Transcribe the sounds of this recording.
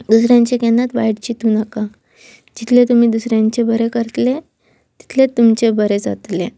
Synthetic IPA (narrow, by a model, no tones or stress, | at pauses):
d̪usɾjãɲt͡ɕekenat̪ʋajɽt͡ɕit̪uːnaka | d͡ʑit̪ʰlet̪um̤iːd̪usɾjãɲt͡ɕebəɾekəɾt̪le | t̪i̥t̪ʰlet̪ːumt͡ɕebəɾed͡za̰t̪le